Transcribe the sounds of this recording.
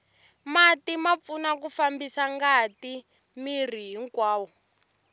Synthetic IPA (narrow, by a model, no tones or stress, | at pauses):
matimap̪funakufambisaŋɡati | mir̤iɦiŋkwaːwɔ